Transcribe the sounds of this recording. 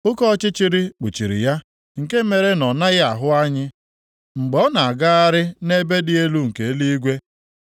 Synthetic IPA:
ʊ˦kɔ˦t͡ʃɪ˦t͡ʃi˦ɾi˦k͡pṵ˨t͡ʃi˨ɾḭ˨ja˦ | ŋ̩˨ke˦me˨ɾe˦nɔ˨na˦ɣɪ˦a˨ɦʊ˦a˦ɲɪ˦ | ŋ͡m̩˨ɡ͡bɔ˨˦na˨a˨ɡa˦a˦ɾɪ˦ne˦be˦dɪ˦e˦lu˦ŋ̩˨ke˨˦li˦i˦ɡʷe˦

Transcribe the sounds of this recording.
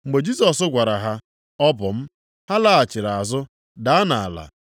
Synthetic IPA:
ŋ͡m̩˨ɡ͡be˨d͡ʒi˦sɔ˨sʊ˦ɡʷa˨ɾa˨ɦa˦ | ɔ˦pʊ˨m̩˦ | ha˦la˦a˨t͡ʃɪ˨ɾa˨a˨zʊ˦ | da˦a˦na˨a̰˨la̰˨

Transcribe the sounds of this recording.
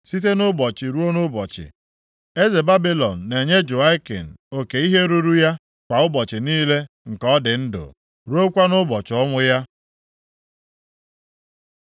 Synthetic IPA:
si˦t̬e˦nʊ˦bɔ˨t͡ʃɪ˨ɾu˦o˦nʊ˦bɔ˨t͡ʃɪ̰˨ | e˦ze˨ba˦bi˦lɔ˨n̩˨ne˨ɲe˦d͡ʒʊ˨a˦ɪ˦kḛ˨n̩˨o˦ke˨i˦ɦe˦ɾu˦ɾu˦ja˦ | kʷa˨ʊ˦bɔ˨t͡ʃɪ˨niː˦le˦ | ŋ̩˨kɔ˦dɪ˨n̩˦dʊ̰˨ | ɾu˦o˦kʷa˦nʊ˦bɔ˨t͡ʃɪ˨ɔ˦ŋʷʊ˦ja˦

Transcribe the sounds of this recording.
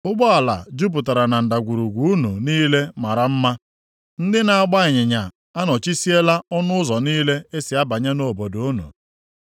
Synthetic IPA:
ʊ˦ɡ͡bɔ˦a˨la˨d͡ʒu˦p̬ʊ˨ta˨ɾa˨na˨n̩˨da˨ɡʷu˨ɾu˨ɡʷu˨u˦nu˨niː˦le˦ma˨ɾa˨m̩˦ma˦ | n̩˦dɪ˦na˨a˨ɡ͡ba˦ɪ˨ɲɪ˨ɲa˨ | a˦nɔ˨t͡ʃi˦si˦e˦la˦ɔ˦nʊ˦ʊ˦zɔ˨niː˦le˦e˦sɪ˨a˦ba˨ɲa˦no˦˨bo˨do˨o˦nṵ˨

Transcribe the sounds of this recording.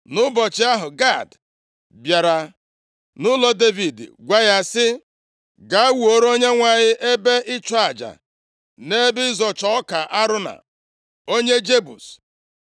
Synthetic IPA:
nʊ˦bɔ˨t͡ʃɪ˦a˦ɦʊ˨ɡa˦˨d | bja˨ɾa˨ | nʊ˦lɔ˦de˦vi˨d̰ɡʷa˦ja˦sɪ˦ | ɡa˨a˦wu˨o˨ɾo˦ɲe˦ŋʷa˨ɲɪ˦ʔe˦be˦ʔɪ˦t͡ʃɔ˦a˨d͡ʒa̰˨ | ne˦bɪ˦zɔ˨t͡ʃɔ˦ka˨ʔa˦ɾʊ˦na̰˨ | o˦ɲe˦d͡ʒe˦bu˨s

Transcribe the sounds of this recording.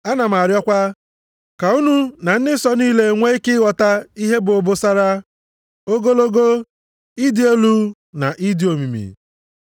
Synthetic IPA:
a˦na˨m̩a˨ɾjɔ˦kʷa˦ | ka˨u˦nu˦na˨n̩˦dɪ˦sɔ˦niː˦le˦ŋʷe˦i˦kɪ˦wɔ˨ta˦i˦ɦe˦bʊ˨o˨bʊ˦sa˦ɾa˦ | o˦ɡo˦lo˦ɡo˦ | i˦dɪ˨e˦lu˦ | na̰˨ʔi˦dɪ˨o˨mi˨mḭ˨

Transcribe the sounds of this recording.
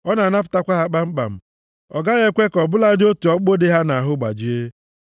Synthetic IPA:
ɔ˦na˨na˦pʊ̥˨ta˦kʷa˦ɦa˦k͡pa˦ŋ͡m̩˦k͡pa̰˨m̩˦˨ | ɔ˨ɡa˦ɣe˦kʷe˦kɔ˨bʊ˦la˦dɪ˦o˦tu˨ɔ˦k͡po˦dɪ˦ɦa˦na˨ɦʊ˦ɡ͡ba̰˨d͡ʒi˨e˦

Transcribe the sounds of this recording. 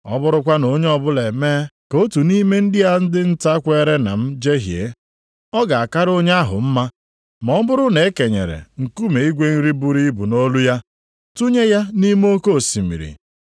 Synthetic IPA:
ɔ˦bʊ˦ɾʊ˦kʷa˦no˦ɲe˦ɔ˦bʊ˦le˨meː˦ko˦tu˨ni˦me˦n̩˦dɪ˦ja˦n̩˦dɪ˦n̩˦ta˦kʷe˦ɾe˦na̰˨m̩˦d͡ʒe˦ɦjḛ˦ | ɔ˦ɡa˨a˨ka˦ɾo˦ɲ˦a˦ɦʊ̰˨m̩˦ma˦ | mɔ˨˦bʊ˦ɾʊ˦ne˨e˦ke˨ɲḛ˨ɾḛ˨ŋ̩˨ku˦me˨i˦ɡʷe˦n̩˦ɾi˦bu˦ɾi˦i˦bu˨no˦lu˦ja˦ | tu˦ɲe˦ja˦ni˦m˦o˦ko˦˨si˨mḭ˨ɾḭ˨

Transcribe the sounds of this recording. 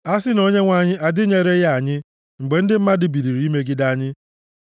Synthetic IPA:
a˦sɪ˦no˦ɲe˦ŋʷa˦˨ɲɪ˦ʔa˨dɪ˦ɲe˨ɾe˦ja˦a˨ɲɪ˦ | ŋ͡m̩˨ɡ͡be˨˦n̩˦dɪ˦m̩˦ma˦dɪ˨bi˨ɾi˨ɾi˨˦i˦me˦ɡɪ˦da˦˨ɲɪ˦

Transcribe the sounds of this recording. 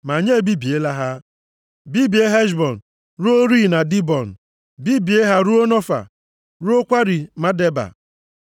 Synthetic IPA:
ma˨ɲe˦˨bi˦bi˨e˦la˦ɦa˦ | bi˦bi˨˦e˦ɦɛ˦ʃ̬bɔ˨n̩˨ | ɾu˦o˦ɾi˦˨na˨di˦bɔ˨n̩˨ | bi˦bi˨e˦ɦa˦ɾu˦o˦nɔ˦fa̰˨ | ɾu˦o˦kʷa˦ɾi˨ma˦de˦ba̰˨

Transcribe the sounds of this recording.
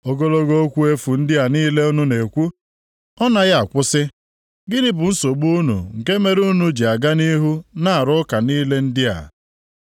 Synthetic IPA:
o˨ɡo˦lo˦ɡo˦o˦kʷu˦e˦fu˨n̩˦dɪ˦a˨niː˦le˦u˦nu˦ne˨kʷu˦ | ɔ˦na˦ɣa˨kʷʊ˦sɪ˦ | ɡɪ˦ɾɪ˦bʊ˨n̩˦so˨ɡ͡bu˦nṵ˨ŋ̩˨ke˦me˦ɾu˦nu˨d͡ʒi˨a˨ɡa˦ni˦ɦu˦na˦a˨ɾʊ˦ka˨niː˦le˦n̩˦dɪ˦a̰˨

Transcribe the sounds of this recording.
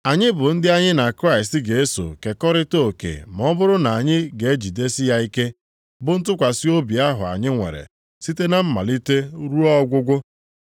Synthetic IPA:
a˨ɲɪ˦bʊ˨n̩˦dɪ˦a˦ɲɪ˦na˨kɾa˦ɪ˨s̬tɡe˨e˦so̰˨ke˨kɔ˦ɾɪ˦to˦˨kḛ˨m˨ɔ˦bʊ˦ɾʊ˦na˨ɲɪ˦ɡe˨e˦d͡ʒi˨de˦sɪ˦ja˦i˦ke˦ | bʊ˨n̩˦tʊ˦kʷa˨si˦o˦bi˨a˦ɦʊ˨a̰˨ɲɪ˦ŋʷḛ˨ɾḛ˨ | si˦te˦na˨m̩˦ma̰˨li˦te˦ɾu˦ɔ˦ɡʷʊ˦ɡʷʊ˦

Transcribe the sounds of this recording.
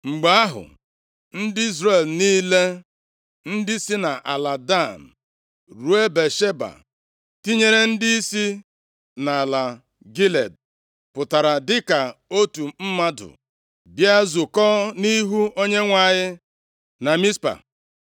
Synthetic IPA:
ŋ͡m̩˨ɡ͡ba˨˦a˦ɦʊ̰˨ | n̩˦dɪ˦i˦zɾe˨lniː˦le˦ | n̩˦dɪ˦si˦na˨ʔa˨la˨da˦˨n̩˨ | ɾu˨e˦be˨ʃe˦ba̰˨ | ti˦ɲe˦ɾe˦n̩˦di˦i˦si˦ | na˨la˨ | ɡi˦le˨d̚ | pʊ˨ta˨ɾa˨dɪ˦ka˨o˦tu˨m̩˦ma˦dʊ̰˨ | bja˦zʊ˨kɔː˦ni˦ɦu˦o˦ɲe˦ŋʷa˨ɲɪ˦ | na˨mi˦spa̰˨

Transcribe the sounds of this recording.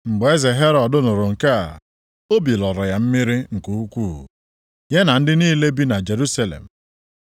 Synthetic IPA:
ŋ͡m̩˨ɡ͡be˦ze˨ɦe˦ɾɔ˨dʊ˦nʊ˨ɾʊ˨ŋ̩˨ka˦a̰˨ | o˦bi˨lɔ˨ɾɔ˨ja˨m̩˦mi˦ɾi˦ŋ̩˨ku˨u˦kʷṵ˦˨ | je˦na˨n̩˦dɪ˦niː˦le˦bi˦na˨d͡ʒe˨ɾu˦sa˦lḛ˨m̩˨

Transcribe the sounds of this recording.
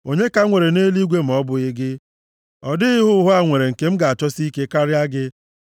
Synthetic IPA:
o˨ɲe˦ka˦ŋʷe˨ɾe˨ne˦li˦ɡʷe˦m̩˨ɔ˦bʊ˨ɪ˦ɡɪ˦ | ɔ˨dɪ˦ɪ˦ɦʊ˦ɦʊ˦a˦ŋʷe˨ɾe˨ŋ̩˨ke˨m̩˦ɡa˨a˨t͡ʃɔ˦si˦ke˦ka˦ɾɪ˦a˦ɡɪ˦

